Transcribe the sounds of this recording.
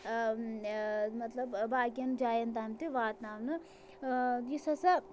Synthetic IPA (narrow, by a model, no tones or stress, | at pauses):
mɐt̪lɐbbaːkiɐnd͡ʒaːjɐnt̪aːmt̪iʋaːt̪naːmnɨ | isɐsa